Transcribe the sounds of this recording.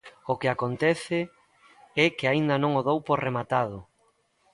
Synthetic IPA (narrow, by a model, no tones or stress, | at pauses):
okɪakont̪ɛθɪ | ɛkɪaind̪anõŋoðowpoɾremat̪aðʊ